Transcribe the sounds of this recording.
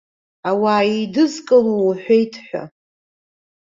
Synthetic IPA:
awaːidɨzkʼɨloħʷejtʰħʷᶣa̰

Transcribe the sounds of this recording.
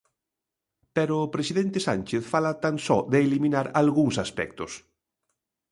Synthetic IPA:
peɾʊːpɾesiðent̪ɪsanʲt͡ʃeθfalat̪aŋsɔ̰ðeːliminaɾalɣuŋsaspɛ̰k̚t̪ʊs

